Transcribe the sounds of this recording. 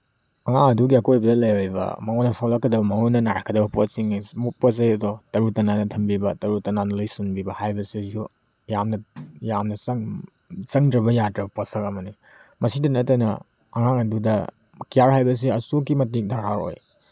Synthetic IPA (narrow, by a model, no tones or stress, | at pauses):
ɐŋaŋɐduɡiɐkojbɐdɐlɐjojbɐ̰mɐŋonɐsawlɐkːɐdɐbɐmɐŋonːɐnaɾkʰɐdɐbɐposiŋsmupɔs̬ɐjɐdɔtɐɾutɐnanɐtʰɐmbibɐtɐɾutɐnanɐlojsinbibɐhajbɐsiju | jamnɐjamnɐɐŋ | t͡ʃɐŋdɾɐbɐjadɾɐbɐposɐkɐmɐni | mɐsidɐnɐtajnɐ̰ | ɐŋaŋɐdudɐ | kijaɾɦajbɐs̬iɐsuk̬imɐtik̚dʱaɾaɾo̰j